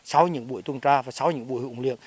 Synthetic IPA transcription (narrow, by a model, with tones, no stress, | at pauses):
sa˨˦wɲɨ̰˧˥ŋɓu˧˩˨əjt̪u˧ənt͡ɕaː˧vaː˨˩sa˨˦wɲɨ̰˧˥ŋɓu˧˩˨jhŋ͡mlḭ˧˨əŋ